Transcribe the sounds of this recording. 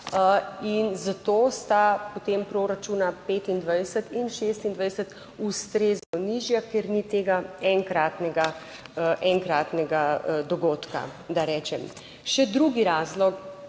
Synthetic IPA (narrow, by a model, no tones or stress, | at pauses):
inzat̪oːst̪apot̪empɾoɾat͡ʃuːnapeːt̪ind̪ʋajsət̪inʃeːst̪ind̪ʋajsət̪ | ust̪ɾeːznɔniʒjakɛɾnit̪eːɡaɛŋkɾaːt̪nɛɡa | əʔɛŋkɾaːt̪nɛɡad̪ɔɡoːt̪ka̰d̪aɾɛːt͡ʃɛm | ʃɛd̪ɾuɡiɾaːzlɔk